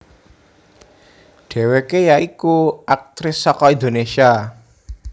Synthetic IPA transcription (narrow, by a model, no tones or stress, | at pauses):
ɖ̥ɛ̤wekejaikuʔak̚t̪ɾɪsːɔkɔind̪onesia